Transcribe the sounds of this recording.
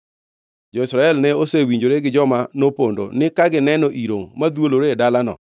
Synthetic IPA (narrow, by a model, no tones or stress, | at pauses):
d͡ʒɔisɾaɛlnɛosewiɲd͡ʒoɾeɡɪd͡ʒɔmanopondo̰nɪkaɡɪnɛnɔʔiɾoŋmad̪woloɾedalanɔ̰